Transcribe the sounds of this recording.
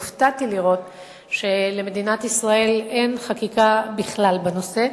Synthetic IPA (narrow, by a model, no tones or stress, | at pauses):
ftatiliʁo̞t | ʃe̞leme̞dinatisʁae̞le̞nχakikabiχlalbano̞se̞